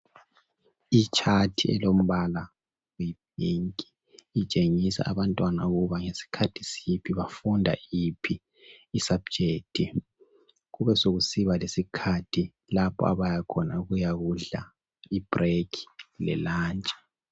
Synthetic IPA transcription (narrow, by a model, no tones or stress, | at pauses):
it͡ʃʰatʰiɛ̰lom̩βala | wib̥̚ʱiŋkʼi̥ː | t͡ʃʼeŋisa̰ʔaβantʼwana̰uɣuβaŋesi̥kʰatʰi̥sipʰiβafundʱa̰ipʰiː | sab̥̚d͡ʒʱeːk̚tʰi | ɣuβɛsoɣusiβalesikʰatʰi | lapʰɔ̰a̰βajakʰɔnauɣujaɣuɮa̰ | ib̥rekʰi̥lɛ̰laːnt͡ʃʼɛ̥